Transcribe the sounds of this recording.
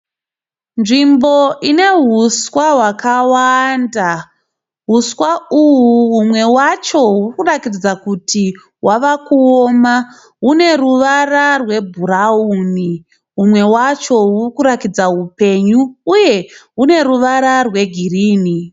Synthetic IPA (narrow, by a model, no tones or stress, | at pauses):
nʐimbo̞ʔine̞ɦuswaɦwakawanda | ɦuswauwuɦumwe̞wat͡ʃo̞ɦurkurakiid͡zakutʰi | wʔaʋakuoma | ɦune̞ruʋararwe̞bʱuɾauni | ɦumwe̞wat͡ʃo̞ɦurkuɾakid͡zaɦupe̞ɲuːje̞ɦune̞ɾuʋaɾarwe̞ɡʱiriːni